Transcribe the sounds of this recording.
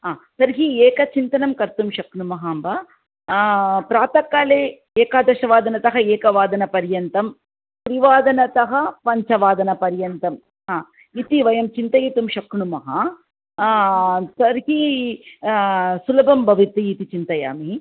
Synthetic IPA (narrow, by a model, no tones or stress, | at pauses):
aːsɐɾɦieːkɐt͡ʃint̪ɐnɐmkɐɾt̪umʃɐkɳumɐɦaːmbɐ | pɾaːt̪ɐkːaːleː | eːkaːd̪ɐʃɐʋaːd̪ɐnɐt̪ɐɦɐeːkɐʋaːd̪ɐnɐpɐɾjɐnt̪ɐm | pɾiʋaːd̪ɐnɐt̪ɐɦɐpɐɲt͡ʃɐʋaːd̪ɐnɐpɐɾjɐnt̪ɐm | aː | it̪iʋɐjɐmt͡ʃint̪ɐjit̪umʃɐkɳumɐɦɐ | sɐɾɦi | sulɐbʱɐmbʱɐʋit̪iːt̪it͡ʃint̪ɐja̰ːmi